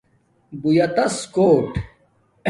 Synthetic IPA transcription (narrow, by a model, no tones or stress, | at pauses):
bujɐt̪ɐskoːʈ